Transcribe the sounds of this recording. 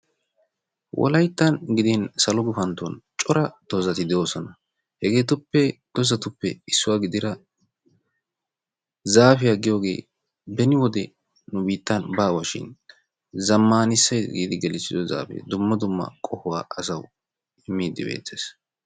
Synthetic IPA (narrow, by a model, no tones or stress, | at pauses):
wʔɔ̰lɐjt̪ːɐnɡɪd̪insɐlɔɡʊfɐnt̪ːɔnt͡ʃʼɔɾɐd̪̥ɔzɐt̪ɪd̪ɛjoːsɔnɐ | hɛɡeːt̪ʊpːɛd̪̥ɔzɐt̪ʊpːɛ̰ɪsːʊwaːɡɪd̪ɪɾɐ | zaːfɪjaɡɪjo̞ːɡe̞̰ː | bɛnɪwɔd̪ɛ | nʊbiːt̪ːɐnbaːwaʃɪ̰n | zɐmːaːnɪsːɐjɡḭːd̪ɪɡɛlɪsːɪd̪ɔza̰ːfɛ̰d̪ʊmːɐd̪ʊmːɐ̰kʼɔhʊwa̰ːʔɐsɐw | ɪmːiːd̪ːɪbḛːt͡sːḛːs